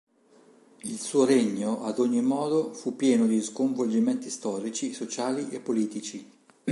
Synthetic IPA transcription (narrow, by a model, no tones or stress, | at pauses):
ilsuːoɾeɲːoʔad̪oɲːimɔːd̪ofupːjɛːnod̪iskoɱvold͡ʒiment̪ist̪ɔːɾit͡ʃisot͡ʃaːliʔepːoliːt̪it͡ʃi